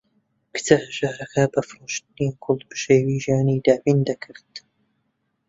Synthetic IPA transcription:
kɨ̥t̪ʰɐhʒaːɾɐxɐbɐfɾuːʃt̪ɨniːkʰʊlbɨ̥ʃeːwiːʒaːniːd̪aːwiːnd̪ɐkʰɨɾt̪

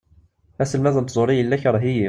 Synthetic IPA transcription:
æsəlmæðənt̪zˤoɾijəlːæçɾˤɦiji

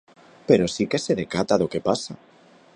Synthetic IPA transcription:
pe̞ɾosike̞seðekat̪aðoke̞pasa

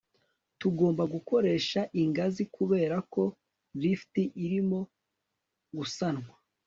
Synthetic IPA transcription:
tuɡo̞ːmbaɡuko̞ɾe̞ːʃaʔiŋɡazikuβe̞ːɾako̞ | viftiʔiɾimo̞ | ɡusanŋwa

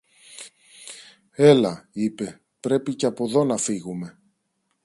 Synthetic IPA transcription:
e̞lɐipe̞ | pɾe̞piceɐpo̞ðo̞nɐfiɣume̞

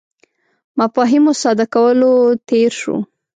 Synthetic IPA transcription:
mafɑɦimosɑd̪akawəlot̪eɾʃo̰

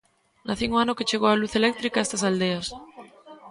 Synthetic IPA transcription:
naθiŋoanoket͡ʃeɣ̞oaluθelek̚t̪ɾikaest̪asald̪eas

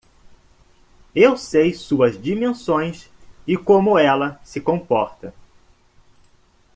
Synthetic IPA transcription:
ewsejsuɐzd͡ʒimẽsõj̃s | ɪkõmʊɛlɐsɪkõpɔɾt̪ɐ

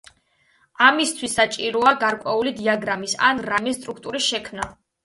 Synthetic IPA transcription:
amist̪ʰwisːat͡ʃʼiɾɔaɡaɾkʼwɛulid̪iaɡɾamisa̰nɾamist̪ʼɾukʰt̪ʼuɾisʃɛkʰmna

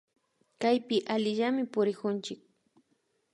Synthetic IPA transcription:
kajpɪʔalɪʎamɪpʊɾɪkʊnt͡ʃɪk̚

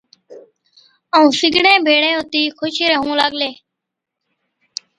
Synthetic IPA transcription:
əũːsɪɡʱɽẽːbʱeːɽẽːɦʊt̪iːkʰʊʃiɾəɦũːlaɠleː

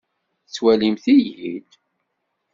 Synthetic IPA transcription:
t͡sːwælimθijil

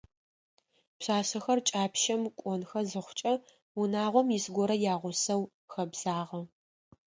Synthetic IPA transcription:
pɕaːsɐxɐrt͡ʃʼaːpʰʃɐmkʷʼɔnxɐzɨχʷʊt͡ʃʼɐ | ʊnaːʁʷɔmjɪsɡʷɔɾɐjaːʁʷʊsɐw | xɐbz̥aːʁɐ

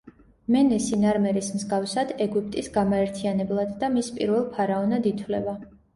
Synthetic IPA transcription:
mɛnɛsinaɾmɛɾismzɡafsad̪ɛɡup̚ʼt̪ʼisɡamaɛɾt̪ʰianɛblˠad̪ːamispʼḭɾvɛlˠpʰaɾaɔnad̪it̪ʰvlɛva

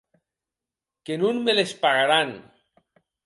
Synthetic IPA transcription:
kenunmelespaɣaɾaŋ

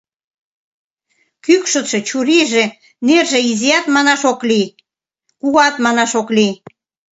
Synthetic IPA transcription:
kykʃət̪ʃĕt͡ɕuɾiʒe | nerʒeiziɑt̪mɑnɑʃokli | kuɣɑt̪mɑnɑʃokli

